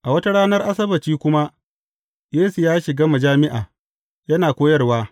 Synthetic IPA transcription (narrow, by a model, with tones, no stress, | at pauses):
ʔa˨wɐ˦ta˦ɽaː˦nɐ˦rʔa˦s̬ɐ˦bɐ˨t͡ʃiː˦kʷʊ˦ma˦ | jeː˦su˨jaː˦ʃɪ˨ɡaː˦mɐ˨d͡ʒaː˦mɪ˦ʔaː˨ | jɐ˦naː˨kʷoː˦jɐ˦rwaː˦